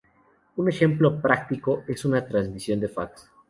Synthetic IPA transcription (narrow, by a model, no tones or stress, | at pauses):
une̞xe̞mplo̞pɾak̚t̪ikoe̞sunat̪ɾanzmisjo̞nd̪e̞faks